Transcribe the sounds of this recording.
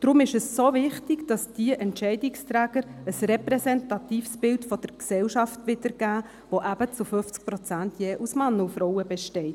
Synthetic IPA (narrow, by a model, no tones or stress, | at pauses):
d̥ɾʊmɪʃəsːovɪχtɪɡd̥ɑsd̥iəʔɛntt͡ʃɛɪdɪkstɾæːɡ̥əɾəsrɛprɛsɛntɑt̪iːfsb̥ɪltfɔd̥əɾksɛlʃɑftʋɪdəɾɡ̥æː | ʋoʔæb̥ət͡sʊfʏft͡sk̚pɾɔt͡sæntjeːʔusmɑnːufɾɔwəbɛʃtɛɪt